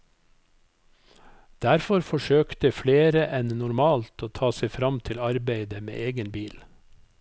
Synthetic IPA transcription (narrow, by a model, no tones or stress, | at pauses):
d̪̥æɾfɔɾfɔʃøːkt̪əfleːɾəʔɛnnʊɾmɑːlt̪oːt̪ʰɑːseɪfɾɑmt̪ʰɪlɑɾbeɪd̪əmḛːʔeːɡənbiːl